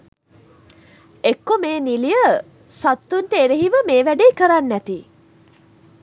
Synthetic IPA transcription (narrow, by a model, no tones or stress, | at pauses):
ekːomeːnilijə | sat̪ːunʈəeɾeɦiʋəmeːʋæɖiːkəɾanːæt̪i